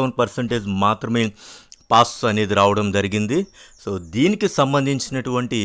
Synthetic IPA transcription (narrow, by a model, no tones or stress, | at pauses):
ʋɐɳpɐɾseɳʈeːd͡ʒmaːt̪ɾɐmeːpaːsɐne̞ːd̪iɾaːʋɐɽɐmd͡ʒɐɾiɡind̪isoːd̪iːnikesɐmbɐnd̪ʱiɲt͡ʃinɐʈuʋɐɳʈi